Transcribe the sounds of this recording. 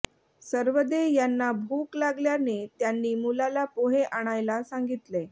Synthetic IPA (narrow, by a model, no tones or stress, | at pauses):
səɾʋəd̪ejanːabʱuklaɡljanet̪janːiːmulalapoɦeʔaɽ̃ajlasaŋɡit̪le